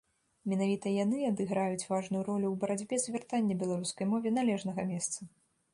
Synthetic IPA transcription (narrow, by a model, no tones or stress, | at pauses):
mʲɛnavʲit̪ɐjanɨad̪ɨɣɾajut͡sʲvaʐnujuɾɔlʲuwbɐɾad͡zʲbʲɛzʲvʲɛrt̪anʲːɐbʲɛlˠaɾuskɐjmɔvʲɛnalʲɛʐnɐɣɐmʲɛst̪sɐ